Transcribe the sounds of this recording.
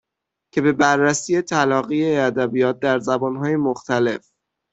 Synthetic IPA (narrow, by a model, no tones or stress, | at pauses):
cʰe̞be̞bærːæsiːje̞t̪ʰælɒːɣijeæd̪æbijɒːt̪̚d̪æɾzæbɒːnɦɒːje̞moxt̪ʰæle̞f